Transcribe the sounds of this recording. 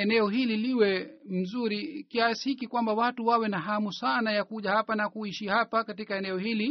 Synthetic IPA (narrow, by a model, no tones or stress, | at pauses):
ɛnɛɔɦililiwɛm̩zuɾikiasihikikwambawatuwawɛnaɦamusanajakuʄahapanakuiʃihapakatikaɛnɛɔhili